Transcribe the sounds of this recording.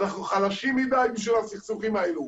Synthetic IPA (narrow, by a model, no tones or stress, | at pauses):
naχnuχalaʃimːid̪ajbiʃ̬vilasiχsuχimaelu